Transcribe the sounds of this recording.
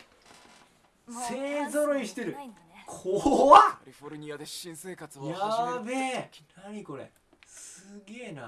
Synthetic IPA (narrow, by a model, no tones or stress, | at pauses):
se̞ːzoɾoiɕi̥t̪e̞ɾɯ̟ | kʰoaioɾɲiaĩseːkajabenaɲ̟iko̞ɾḛ | sɨɡe̞ːnã̰